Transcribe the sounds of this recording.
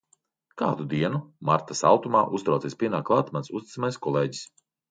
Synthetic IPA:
kaːd̪ud̪iɛnumaɾt̪asa̰lˠt̪umaːʔust̪ɾawt̪isʲpʲiɛnaːklˠaːt̪mansust̪ʲi̥t̪amajskɔlˠeːɟi̥s

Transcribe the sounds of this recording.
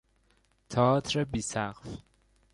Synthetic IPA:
t̪ʰɒːt̪ʰɾebiːsæqf

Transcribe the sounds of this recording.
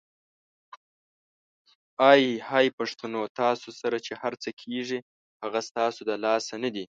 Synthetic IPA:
ɑjhɑjpaʂt̪anot̪ɑsosaɾat͡ʃehaɾt͡səkʰeʐi | haɣast̪ɑsod̪əlɑsanad̪i

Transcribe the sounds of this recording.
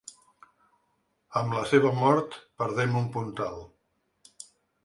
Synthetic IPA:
əmləseβ̞əmɔɾt̪pəɾðɛmumpunt̪alˠ

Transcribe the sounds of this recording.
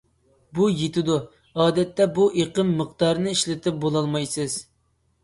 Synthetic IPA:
bujet̪ɪd̪u | ɑːd̪ɛt̪ːɛbuʔeqəmːəqt̪ɑɾnɨiʃlɪt̪ʰɪp̚bolˠɑlˠmɑjsɨz̥

